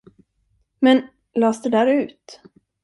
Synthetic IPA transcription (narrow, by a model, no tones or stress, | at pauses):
mɛn | lɑːsd̪ɛd̪æːɾʉ̟ːt̪